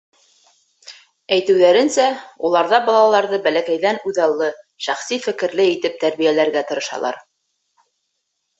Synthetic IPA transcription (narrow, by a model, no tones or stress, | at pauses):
æjt̪ɘ̆wðæɾɘ̆nsæulˠɑɾðɑbɑlˠɑlˠɑɾðɤbælækæjðænʉðɑlˠːɤ | ʃæχsifɘ̆kɘ̆ɾlɘit̪ɘp̚t̪æɾβijælæɾɡæt̪ɤ̆ɾɤ̆ʃɑ̰lˠɑ̰ɾ